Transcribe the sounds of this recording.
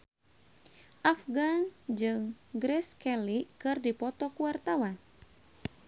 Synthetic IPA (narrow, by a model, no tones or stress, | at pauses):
ʔafɡand͡ʒɨŋɡɾɛskɛlikɨrdipɔt̪ɔkuwart̪awan